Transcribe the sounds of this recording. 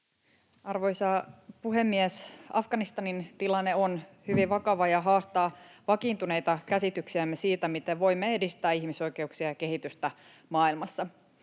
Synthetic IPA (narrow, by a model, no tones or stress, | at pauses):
ɑrʋo̞jsɑpuɦe̞mːiesɑfɡ̥ɑnist̪ɑnint̪ilɑnːeonhyʋiʋʋɑkɑʋɑjɑɦɑːst̪ɑːʋɑkiːnt̪une̞jt̪ɑkæsit̪yksiæmːesiːt̪æmit̪eʋʋo̞jmːeedist̪æːiçmiso̞jke̞uksiɑjɑke̞ɦit̪yst̪æ | mɑːilmɑsːɑ